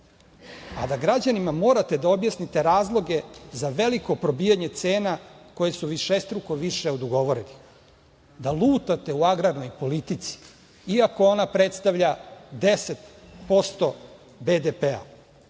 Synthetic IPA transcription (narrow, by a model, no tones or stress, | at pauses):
a̰d̪aɡɾad͡ʑanimamo̞ːɾat̪e̞d̪ao̞bjasnit̪e̞ɾaːzlˠo̞ɡe̞zaʋe̞liko̞pɾo̞biːjaɲe̞t̪se̞ːnako̞je̞suʋiʃest̪ɾuko̞ʋiʃeod̪oɡo̞ʋo̞ɾeni | d̪alˠuːt̪at̪e̞uaɡɾaɾno̞jpo̞lit̪it̪si̥ | iako̞o̞napɾe̞t̪st̪aʋʎad̪e̞se̞t̪po̞st̪o̞ | bed̪epea̰